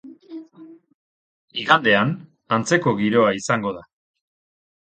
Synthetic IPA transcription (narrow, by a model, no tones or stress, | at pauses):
iɣand̪e̞an | ant͡se̞ko̞ɣiɾo̞aisaŋɡo̞ða